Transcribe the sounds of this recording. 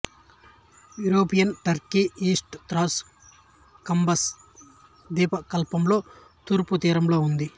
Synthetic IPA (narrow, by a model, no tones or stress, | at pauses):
juːɾoːpijɐnʈɐɾkiːʔiːsʈt̪ɾaːs | kɐmbɐs | d̪iːpɐkɐlpɐmlo̞ː | t̪uːɾput̪iːɾɐmlo̞ːund̪i